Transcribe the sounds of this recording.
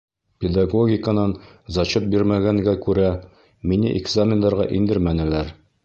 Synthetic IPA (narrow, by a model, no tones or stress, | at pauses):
pʲɪd̪aɡoɡʲɪkənɑn | zɑt͡ɕot̪̚biɾmæɡæŋɡækʉɾæ | minɘ̰ʔɪɡzamʲɪnd̪ɑɾʁɑ̰ʔind̪ɘɾmænɘ̆læɾ